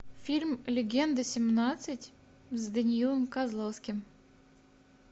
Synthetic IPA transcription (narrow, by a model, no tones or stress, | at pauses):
fʲilʲmlʲɪɡʲend̪əsʲɪmnɑt̪sɨtʲ | zʲd̪ənʲilˠəmkɑzlˠofskʲɪm